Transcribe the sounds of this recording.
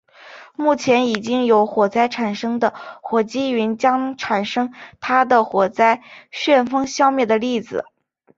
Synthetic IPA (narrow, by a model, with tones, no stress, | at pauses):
mu˥˩t͡ɕʰjɛ˧˥ni˨˩t͡ɕi˥ŋjo˧˥ʊxwɔ˨˩t͡sa˥˩ɪʈ͡ʂʰa˨˩nʂɤ˥ŋd̪ə˨xwɔ˨˩t͡ɕi˥ɥy˧˥nt͡ɕjɑ˥ŋʈ͡ʂʰa˨˩nʂɤ˥ŋt̪ʰa˥d̪ə˨xwɔ˨˩t͡sa˥ɪɕɥɛ˥˩nfɤ˥ŋɕjɑ˥ʊmjɛ˥˩d̪ə˩li˥˩d͡zɹ̩̰˩